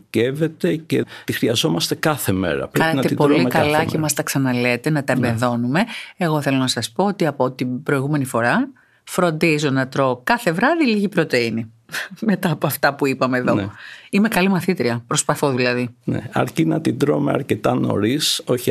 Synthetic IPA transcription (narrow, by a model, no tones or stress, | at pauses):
ce̞ve̞t̪e̞cet̪ixɾiɐzo̞mɐst̪e̞kɐθe̞me̞̰ɾɐ̰pɾeɐnenɐt̪epolikɐlɐcemɐst̪ɐksɐnɐle̞t̪e̞nɐt̪ɐembeðo̞nume̞eɣo̞θe̞lo̞nɐsɐspo̞ot̪iɐpot̪ibɾoiɣume̞nifo̞ɾɐ | fɾo̞nd̪izo̞nɐt̪ɾo̞kɐθe̞vɾɐðiliʝipɾot̪e̞ini | me̞t̪ɐːpoɐft̪ɐpuipɐme̞ːðo̞ime̞kɐlimɐθit̪ɾiɐpɾo̞spɐθoðilɐðinḛɐ̰ɾcinɐt̪id̪ɾomeɐ̰ɾce̞t̪ɐno̞̰ɾiso̞ç